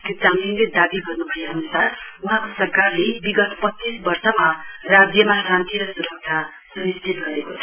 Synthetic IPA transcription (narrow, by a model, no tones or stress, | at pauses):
k̪ot͡saninled̪abiɡʌrnubʱʌeɦʌnusaruɦãkosʌrkarlebiɡʌt̪pʌt͡sːisbʌrsʌmarad͡zjʌmaɾãnt̪iɾʌsuɾʌk̚t͡sʰa | sunist̪ʰit̪ɡʌɾekot͡sʰʌ